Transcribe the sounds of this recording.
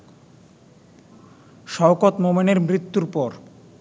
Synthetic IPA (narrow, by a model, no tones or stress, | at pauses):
ʃɔokot̪momeneɾmɾit̪ːuɾpɔɾ